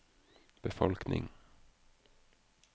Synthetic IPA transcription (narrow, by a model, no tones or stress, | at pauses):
b̥əfɔlknɪ̰ŋ